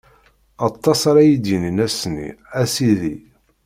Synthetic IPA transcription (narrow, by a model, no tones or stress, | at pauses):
ɑt̪ˤːɑsaɾæjid̪jininæsnḭæsiði